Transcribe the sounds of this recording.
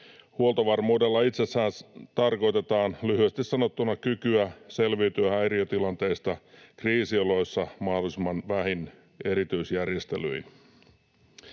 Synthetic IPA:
huo̞lt̪ɑʋɑrmuːde̞lːɑit̪sesːæːnt̪ɑrko̞jt̪e̞t̪ɑːnlyhyest̪issɑno̞t̪ːunɑkykyæse̞lʋiːt̪yææeriot̪ilɑnt̪e̞ist̪ɑkriːsiolo̞isːɑmɑhdolisimːɑnʋæɦin | e̞ɾit̪yisjærjest̪ḛly̰in

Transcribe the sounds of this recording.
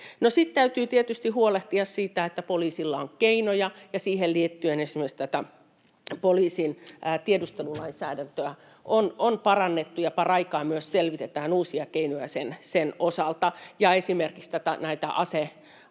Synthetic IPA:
nosit̪t̪æyt̪yːt̪iet̪yst̪ihuoleht̪iɑssiːt̪æet̪ːæpoliːsilːɑoŋkeinojɑjɑsiːhelliːt̪ːyenesimøst̪æt̪æ | poliːsinːt̪iedust̪elulɑinsæːdænt̪øæ | ʔononpɑrɑnːet̪ːujɑpɑrɑikɑːmyøsselʋit̪et̪æːnuːsiɑkeinojæsensenosɑlt̪ɑjɑesimerkikst̪æt̪æ̰næit̪æ̰ʔɑse

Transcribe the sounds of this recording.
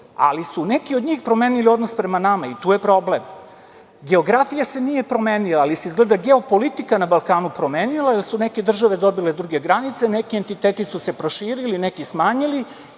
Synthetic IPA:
a̰lisunekiod̪ɲiːxpɾo̞meːnilio̞d̪nospɾe̞manamait̪uːje̞pɾo̞ble̞m | ɡe̞o̞ɡɾafijase̞nije̞pɾo̞meːnilaːliseizɡled̪aɡe̞o̞po̞lit̪ikanabalˠkaːnupɾo̞meːnilˠajelsuneke̞d̪r̩ʒaʋe̞d̪o̞bile̞d̪ɾuɡe̞ɡɾanit̪senekie̞nt̪it̪e̞ːt̪isuse̞pɾo̞ʃiːɾilinekismaːɲili

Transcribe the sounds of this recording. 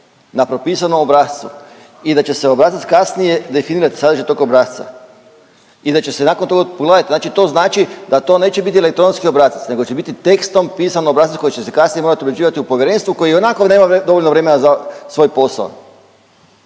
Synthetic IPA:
napɾo̞piːsanomobɾat̪t̪ʋṵ | id̪at͡ɕe̞seobɾaːt̪at̪kasnije̞d̪e̞finiːɾat̪i̥sad̪at͡ʃet̪o̞kombɾaːt̪t̪sa̰ | id̪at͡ɕe̞senaːkont̪o̞ɡapoɡlaːd̪at̪iznaːt͡ʃit̪o̞znaːt͡ʃid̪at̪o̞ne̞ːt͡ɕe̞bit̪ielek̚t̪ɾo̞nskio̞bɾaːat̪sne̞ɡo̞t͡ɕebit̪it̪e̞kst̪o̞mpiːsanoobɾaːt̪t̪kojt͡ʃesekasnije̞moɾat̪iobɾed͡ʑiːʋat̪iupoʋjeɾe̞nst̪ʋuko̞jionakoneːmad̪o̞ʋoʎnoʋɾe̞me̞nazasʋo̞ːjpo̞sa̰o̰

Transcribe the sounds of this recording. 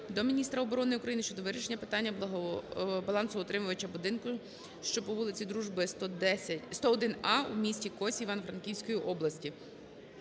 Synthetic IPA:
d̪ɔmʲinʲist̪ɾɐɔbɔɾɔnɪʊkɾɐjinɪʃt͡ʃɔd̪ɔʋɪɾɪt͡ʃenʲːɐpɪt̪ɑnʲːɐbˠɐɦbɐlˠɑnsʊɔt̪ɾɪmʊʋɐt͡ʃɐbʊd̪ɪnkʊ | ʃt͡ʃɔpɔʋulˠɪt͡sʲid̪ɾuʒbɪd̪ʲst̪ɔɔd̪ɪnɑumʲisʲtʲikɔsʲiʋɑnɔfɾɐnkʲiwsʲkɔjiʔɔblˠɐsʲtʲi

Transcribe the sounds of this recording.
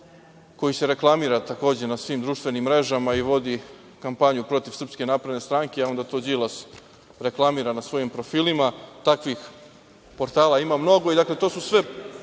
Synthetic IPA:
ko̞jise̞ɾe̞klˠamiːɾat̪ako̞ːd͡ʑenasʋimd̪ɾuːʃt̪ʋe̞nimːɾe̞ʒamaiʋo̞d̪i | kampaɲupɾo̞t̪iʋfsr̩pske̞naːpɾe̞d̪ne̞st̪ɾaːŋkeao̞nd̪at̪o̞ːzilas | ɾe̞klˠamiːɾanasʋo̞jimpɾo̞fiːlimat̪akʋix | po̞ɾt̪aːlˠaimamno̞ɡo̞id̪akle̞t̪o̞ːsusʋe̞

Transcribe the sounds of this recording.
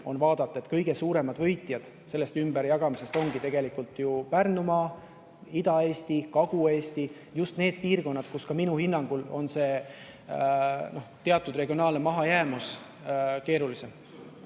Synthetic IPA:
o̞nvɑːd̪̥ɑt̪ːˑɑe̞t̪kɤ̞jɡ̥e̞suːɾe̞mɑd̪̥vɤ̞jt̪ˑjɑd̪̥ | se̞lːe̞st̪ymb̥eɾjɑɡ̥ɑmise̞st̪o̞ŋɡit̪e̞ɡe̞likult̪ˑjupærnumɑː | id̪ɑe̞ːst̪ikɑɡ̥ue̞ːst̪i | just̪ne̞ːd̪̥̚piːrko̞nːɑd̪̥kuskɑminuhinːɑŋɡ̥ulo̞̰nse̞ː | no̞ht̪e̞ɑt̪ˑːud̪̥re̞ɡ̥io̞nɑːlnemɑɦɑjæːmus | ke̞ːɾulise̞m

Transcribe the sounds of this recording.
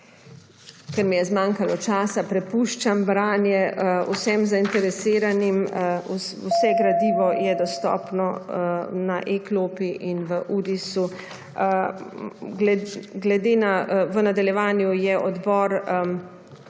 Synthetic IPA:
kɛɾmijɛzmaːŋkalɔt͡ʃaːsapɾɛpuːʃt͡ʃambɾaːnjɛṵsɛmzaint̪ɛɾɛsiːɾanimuusɛɡɾad̪iːʋɔjɛd̪ɔst̪ɔ̰ːpnɔ | naʔekloːpiʔinʋəʔuːd̪isu | ɡlɡlɛd̪eːnaʋənad̪aljɛʋaːnjujɛʔɔd̪bɔːɾ

